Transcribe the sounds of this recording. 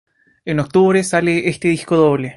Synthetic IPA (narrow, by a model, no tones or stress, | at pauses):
enok̚t̪uβɾesaleʔest̪eðiskoðoβle